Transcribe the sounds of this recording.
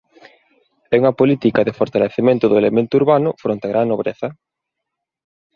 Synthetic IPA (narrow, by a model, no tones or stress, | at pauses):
ɛuŋɐpolit̪ikɐðɪfoɾt̪aleθemẽnt̪ʊðʊelemẽnt̪ʊuɾβanʊfɾont̪eaɣɾaŋnːoβɾeθɐ